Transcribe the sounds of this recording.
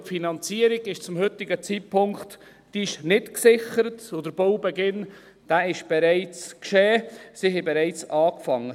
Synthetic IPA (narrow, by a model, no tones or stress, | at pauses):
tfinɑnt͡siːəɾɪɡɪʃt͡sʊmhʏtːɪɡət͡sit̚pʰʊŋkt | d̥iɪʃnɪtksɪχəɾətodəɾb̥oʊbɛɡɪn | d̥æɪʃb̥ɛɾɛɪt͡skʃeːsiɦɛbɛɾɛɪt͡sɑːkfɑŋːə